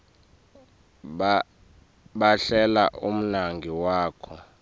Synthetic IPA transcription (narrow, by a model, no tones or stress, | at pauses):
ɓaɬɛla̰ʔum̩naŋɡʱiwaːkʰɔ